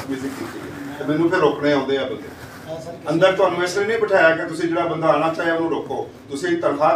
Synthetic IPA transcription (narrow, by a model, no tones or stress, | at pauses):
misikiːt̪eːḛmɪnːũːpʰɪɾɾoːkɽẽːɦõːnd̪eːãːbənd̪ḛː | ə̃nd̪əɾt̪ʊaːnũːɪslẽːnĩːpəʈʰaːjaːket̪ʊsĩːd͡ʒeːɽaːbənd̪aːnaːt͡ʃaːiːaːnũːɾoːkʰːoː | t̪ʊsĩːt̪əɾkʰaː